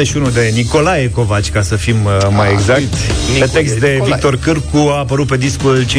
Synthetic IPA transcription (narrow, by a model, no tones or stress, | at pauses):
eʃiunud̪e̞niko̞lajeko̞vat͡ʃʲkasəfimmajeɡzaktt̪pet̪e̞kst̪d̪e̞vikt̪o̞rkɨrkuaːpəɾut̪̚pe̞d̪iskult͡ʃe